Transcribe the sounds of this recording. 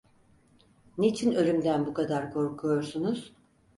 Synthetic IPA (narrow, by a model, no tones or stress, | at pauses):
nit͡ʃʰinø̞lʲymd̪ænbukʰad̪aɾkʰo̞ɾkʰujo̞ɾsunuz̥